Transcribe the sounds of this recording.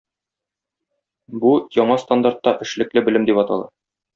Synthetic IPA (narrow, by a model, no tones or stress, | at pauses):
bujɒɴɑst̪and̪art̪ːɑʔɘ̆ʃlɘ̆klɘbɘ̆lɘmd̪ipɒt̪ɑ̰lˠɑ̰